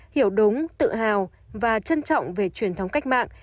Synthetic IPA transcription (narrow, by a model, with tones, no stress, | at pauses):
hi˧˩əwɗʊ˨˦ŋ͡mt̪ɨ̰˧˨ɦaː˨˩w | vaː˨˩t͡ɕə˧nt͡ɕɔ̰˧˨wŋ͡mve˨˩t͡ɕwi˧˩ənt̪ʰə˨˦wŋ͡mka˦˥jk̟̚ma̰ː˧˨ŋ